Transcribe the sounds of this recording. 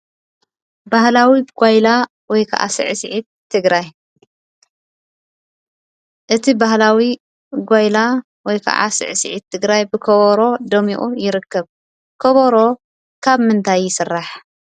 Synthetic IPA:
bahlawiɡ̥ʷajla | wɔjkʰɐ̰ʔa̰sɨ̰ʕsʕit̪ʰːɨɡɾaj | ʔɨt̪ʰibahlawi | ɡʷajla | wɔjkʰɐ̰ʔa̰sɨ̰ʕsɨʕit̪ʰːɨɡɾajbɨkʰoβoɾo̞d̪ɐmḭʔʼujɪɾɨkːɐβ | kʰoβoɾo̞ | kʰaβmɨnt̪ʰajːɪsɨrːaħ

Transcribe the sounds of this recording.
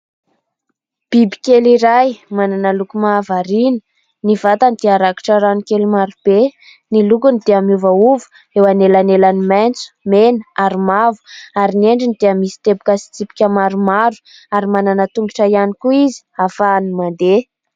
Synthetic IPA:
b̥ibi̥kʲeliɾajmananəlukumavaɾinə̥ | nivat̪anid̪eaɾaki̥ʈ͡ʂaɾanikelumaɾub̥e | nilukunid̪̥eamiuvauvu̥ | ewanelanelanimajnt͡su̥menəaɾimavu̥aɾineɳɖ͡ʐinid̪̥eəmisi̥t̪ebu̥kasi̥t͡sipi̥kʲəmaɾumaɾu̥ | aɾimananət̪uŋɡiʈ͡ʂajanikuizi̥afanimand̪e

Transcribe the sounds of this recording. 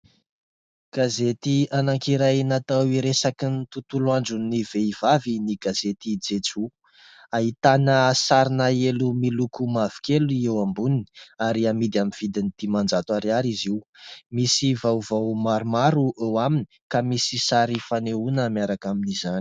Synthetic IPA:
ɡ̥azet̪ianaŋkiɾajnat̪awiɾesakint̪ut̪uluand͡ʒuniveivaviniɡazet̪id͡zet͡su | aɦit̪anəsaɾinaelumilukumavi̥keluiewambunini̥aɾiamid̪aminv̥id̪inid̪̥imand͡ʒat̪uaɾiaɾiziwmisivawvawmaɾumaɾuʔewaminikamisisaɾifaneunəmjaɾakaminizani̥

